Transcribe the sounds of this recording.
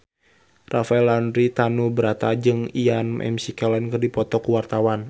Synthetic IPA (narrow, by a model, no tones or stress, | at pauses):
rafaɛlandɾit̪anubəɾat̪ad͡ʒɨŋianmʔɛ̰msikɛlɛnkɨrdipɔt̪ɔkuwart̪awan